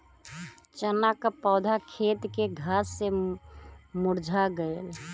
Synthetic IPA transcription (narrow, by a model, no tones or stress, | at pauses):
t͡ʃənakpɔːd̪ʱakʰet̪keɡʱəsːe | muɾd͡ʒʱaɡəel